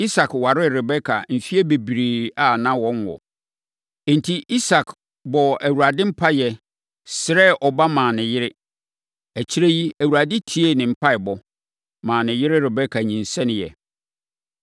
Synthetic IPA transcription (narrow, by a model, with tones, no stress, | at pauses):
i˦sa˨kwa˨ɾɪ˦˨ɾɛ˨bɛ˦kʰa˨m̩˨fi˦e˦be˨bi˨ɾi˨a˨nã˦wɔ̃˦nwɔ̰˨˦˨ | n˨tʰi˦ʔi˦sa˨kʰ | bɔ˨æ˨wu˨ɾa˨dɪ̃˦m̩˦pʰa˦jɛ˨ | sɪ˨ɾɛ˦ʔɔ˨ba˦mãː˨nɪ̃˨jɪ˦ɾɪ˦ | æ˨t͡ɕʰi˦ɾe˦ji˦æ˨wu˨ɾa˨dɪ̃˦tʰi˦e˦nɪ̃˨m̩˨pʰa˦ɪ˨bɔ˨ | mãː˨nɪ̃˨jɪ˦ɾɪ˦ɾɛ˨bɛ˦kʰa˨ɲĩ˨n̩˨sɛ̃˦nɪ̃˨jɛ̰˨